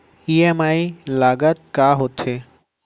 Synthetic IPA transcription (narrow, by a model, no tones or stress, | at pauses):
iemaːilaːɡət̪̚kaːɦot̪ʰeː